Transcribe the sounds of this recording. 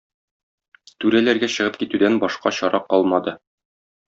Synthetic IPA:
t̪ʉɾælæɾɡæɕɤ̆ʁɤp̚kit̪ʉd̪ænbɒʃqɑɕɒɾɑqɒlˠmɑd̪ɤ

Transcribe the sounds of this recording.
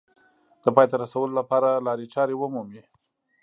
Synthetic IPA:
d̪̥əpɑjt̪aɾasawəlolapɑɾalɑɾit͡ʃɑɾewəmumi

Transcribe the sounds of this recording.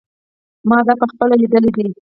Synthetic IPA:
mɑd̪ɑpəxpəlalid̪əled̪i

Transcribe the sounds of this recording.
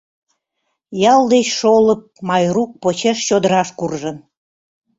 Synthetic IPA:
jɑlˠd̪et͡ɕʃoləp̚mɑjruk̚pot͡ɕeʃt͡ɕod̪əɾɑʃkurʒən

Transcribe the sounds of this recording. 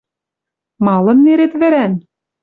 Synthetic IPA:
mɑlˠɤ̆nːeɾet̪βɘ̆ɾæn

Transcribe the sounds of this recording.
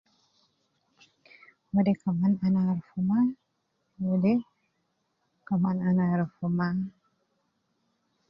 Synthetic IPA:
wudekamananaɾfuma | wude | kamananaɾfuma

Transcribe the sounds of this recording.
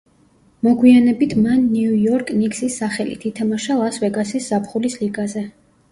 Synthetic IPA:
mɔɡwianɛbit̪ʰmanːiujɔɾkʼniksisːaχɛlḭt̪ʰit̪ʰamaʃalˠasvɛɡasisz̥apʰχulisliɡazɛ

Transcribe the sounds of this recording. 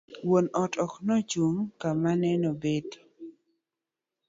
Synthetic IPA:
wonɔtɔknɔt͡ʃumkamanɛnɔbed

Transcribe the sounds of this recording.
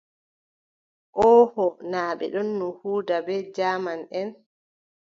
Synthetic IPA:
ʔɔːhɔnaːɓɛ̰ɗɔnːuhuːdabɛːd͡ʒaːmanʔɛn

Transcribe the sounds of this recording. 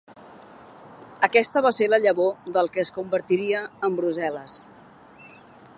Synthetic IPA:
əkɛst̪əβ̞aseɾləʎəβoðəlˠkəːskumbəɾt̪iɾiəːmbɾuzɛləs

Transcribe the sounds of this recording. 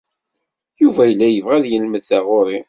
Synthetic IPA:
juvæjəlːæjəvʁæðjəlməðθæʁoɾˤi

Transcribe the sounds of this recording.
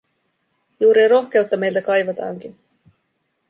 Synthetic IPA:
juːɾiro̞xk̟e̞ut̪ːɑme̞jlt̪ækɑjʋɑt̪ɑ̰ːŋk̟in

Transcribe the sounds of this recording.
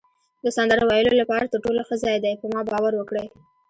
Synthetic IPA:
d̪əsand̪aɾawajəlolapɑɾat̪əɾʈolaxəzɑjd̪ajpəmɑbɑwaɾwəkɽəj

